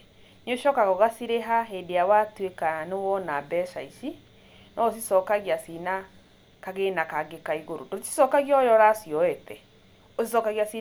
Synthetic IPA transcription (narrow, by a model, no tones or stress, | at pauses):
ɲoʃɔkaɣɔɣasiɾeɦaɦedejawatwekanewɔnabɛʃaisi | nɔos̬isɔkaɣiasina | kaɣenakaɡekaiɣoɾo̰doti̥sɔkaɣiɔjɔɾasiɔɛtɛ | osisɔkaɣiasi